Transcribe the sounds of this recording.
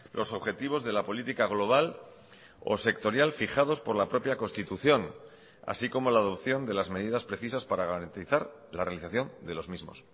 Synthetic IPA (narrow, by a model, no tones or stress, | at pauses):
lʔo̞so̞βxe̞t̪iβ̞o̞zðe̞lapo̞lit̪ikaɣ̞loβ̞al | o̞̰se̞kt̪o̞ɾjalfixaðospo̞ɾlapɾo̞pjako̞nst̪it̪uθjo̞n | a̰siko̞mo̞laːðo̞pθjo̞nd̪e̞lazme̞ðiðaspɾe̞θisaspaɾaɣaɾant̪iθaɾ | larealiθaθjo̞nd̪e̞lo̞zmizmo̞̰s